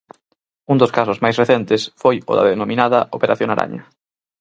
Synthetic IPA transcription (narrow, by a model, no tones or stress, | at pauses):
und̪ʊskasʊzmajsreθɛnt̪ɪsfojʊ̰ðɐ̰ðenomĩnaðɐʔopeɾaθjoŋaɾʔa̰ɲɐ